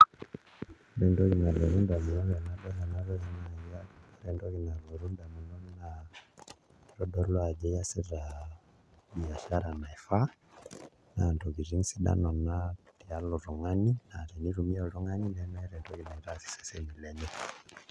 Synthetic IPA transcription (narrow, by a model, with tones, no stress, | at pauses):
ɾɛ˨ndɔ˦ki˨na˨lɔ˨ɾu˦nda˨mi˨nɔ˦βɛ˨na˨˦ɗɔ˦ɾa˨na˦ɾɔ˦ɛ˦na˦aɾɛ˨ndɔ˦ki˨na˨lɔ˨ɾu˦nda˨mi˨nɔ˦na˨ | ɾɔ˦ɗɔ˦lɔ˦a˨d͡ʒɛ˦ja˦sɛ˦ɾa˨ | ɓi˨a˨ʃa˦ɾa˨na˨ɛ˨fa˦ | na˨ndɔ˨ɡi˨ɾi˦n˦si˦ɗa̰˦nɔ˨na˦ti˨a˦lɔ˨ɾɔ˨ŋa˦ni˦na˨ɾɛ˨ni˦ɾu˨mi˦ɔ˨ɾɔ˦ŋa˦ni˦lɛ˦nɛ˦ɾɛ˨ndɔ˦ki˨na˨i˨ɾa˦si̥˨sɛ̥˦sɛ˦mi˨lɛ˨nɛ˦